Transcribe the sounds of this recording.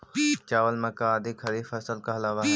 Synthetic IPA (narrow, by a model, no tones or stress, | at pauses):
t͡ʃaːʋəlmɐkaːd̪ikʰɐɾiːfɐsəlkaɐlaːʋa